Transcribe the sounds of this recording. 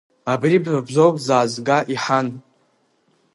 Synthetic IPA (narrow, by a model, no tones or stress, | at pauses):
abribabʒʷowkʼzaːzɡaʔiħan